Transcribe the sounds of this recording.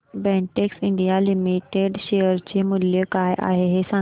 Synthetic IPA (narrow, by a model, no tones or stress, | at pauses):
bɛ̃ɳʈeksiɳɖijalimiʈeɖɕejəɾt͡ɕemuljəkajʔa̰ɦeɦesã